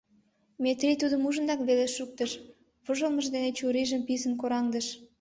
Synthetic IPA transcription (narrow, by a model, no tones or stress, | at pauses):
met̪rʲijt̪ud̪əmuʒə̆nd̪ɑkβeleʃuk̚t̪əʃ | βəʒəlˠməʒd̪enet͡ɕuɾiʒəmpisənkoɾɑŋd̪əʃ